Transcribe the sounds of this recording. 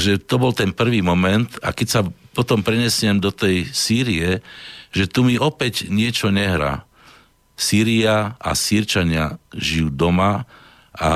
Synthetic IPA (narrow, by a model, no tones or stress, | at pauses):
ʒɛt̪ɔbɔlt̪ɛnpr̩ʋiːmɔmɛnt̪akɛcsapɔt̪ɔmpɾɛɲɛsɪɛmd̪ɔt̪ɛjsiːɾiɛʒɛt̪umiʔɔpɛɟɲɪɛt͡ʃɔɲɛɦɾa̰ː | siːɾiaʔa̰siɾt͡ʃaɲɪa̰ʒijuːd̪ɔma | ʔa̰